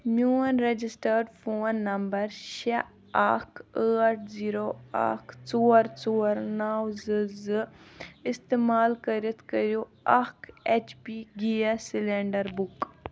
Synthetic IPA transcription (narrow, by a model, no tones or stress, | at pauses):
muːɐnɾed͡ʒisʈəɾɖfʰoːnːɐmbɐɾʃe | akʰəːʈʰziːɾoa̰kt͡soːɾt͡soːɾnaːwzɨzɨɪst̪eːmaːlkɐɾit̪ʰkɐɾjo | ɐket͡ʃpiɡijasileɳɖɐɾbuk